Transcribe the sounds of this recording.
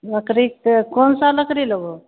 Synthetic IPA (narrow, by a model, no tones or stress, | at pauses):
ləkɾikkonsaləkɾilobo